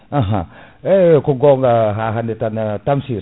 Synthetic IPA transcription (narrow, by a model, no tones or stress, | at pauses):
aɦa̰ekuɡoŋaɦaɦanet̪anat̪amsi